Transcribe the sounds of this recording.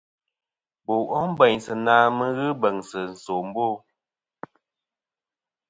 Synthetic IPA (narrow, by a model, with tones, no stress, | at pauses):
bo˨ʔɔ˦m̩˦bɛ˨ɲsə˨naː˦mə˦ɣɨ˦bə˨ŋsə˨n̩˨so˨m̩˦bo˦˨